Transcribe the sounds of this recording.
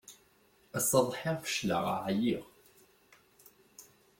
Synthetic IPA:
æsɑðˤħiʁfə̥ʃlə̰ʁa̰ʕjiʁ

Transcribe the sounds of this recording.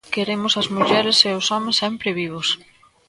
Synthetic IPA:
keɾemʊsɐzmuʎɛɾɪseʊsɔmẽsːɛmpɾɪβiβ̞ʊs

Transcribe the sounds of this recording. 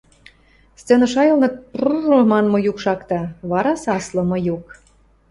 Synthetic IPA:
st͡senɤ̆ʃɑjɤlnɤ̆pruʒomɑnmŏjukʃɑkt̪ɑβɑɾɑsɑslɤ̆mɤ̆juk

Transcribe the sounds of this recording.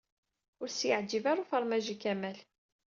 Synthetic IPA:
ʊɾsjəʕd͡ʒivaɾufəɾˤmæʒikæmæl

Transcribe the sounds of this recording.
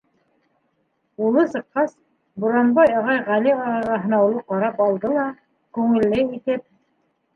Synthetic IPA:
ulˠɤsɤ̆qːɑs | buɾɑmbɑjɑʁɑjʁæliɑɾɑʁɑɦɤ̆nɑwlˠɤqɑɾɑpɑlˠd̪ɤlˠɑ | kʉŋɘ̆lːɘit̪ɘp̚

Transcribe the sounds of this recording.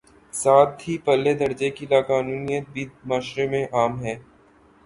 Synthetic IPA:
saːt̪ɦipɐlːed̪ɐɾd͡ʒekilaːkaːnuːnijət̪̚bid̪maːʃɾemẽʔaːmɦɛː

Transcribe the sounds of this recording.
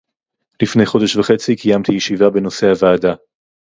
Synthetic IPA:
lifne̞jχo̞deʃvaχe̞t͡sikʰijamt̪ijeʃivabe̞no̞se̞havaːd̪a

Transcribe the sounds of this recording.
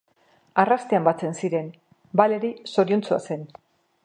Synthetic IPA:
arast̪eambat͡se̞nsiɾe̞n | bale̞ɾiso̞ɾiunt͡sua̰se̞n

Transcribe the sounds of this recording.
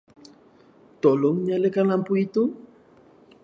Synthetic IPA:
t̪oloŋɲalekanampuit̪u

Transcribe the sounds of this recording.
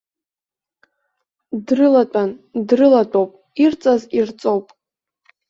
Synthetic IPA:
drɨlat͡pʷʼandrɨlatʷʼowpʼ | irt͡sʼazirt͡sʼo̞wpʼ

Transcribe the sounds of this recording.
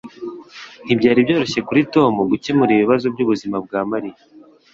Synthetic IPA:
n̥ibɟaːɾibjo̞ːɾo̞çe̞kuɾito̞ːmuɡucemuɾiβiβazo̞bɟuːβuzimab̚ɡaːmaɾija

